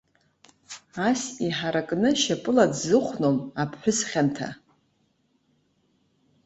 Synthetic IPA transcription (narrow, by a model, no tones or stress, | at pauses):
asiħaɾakʼnɨʃapʼɨladzɨχʷʰnomapʰħʷᶣʊsχʲantʰa̰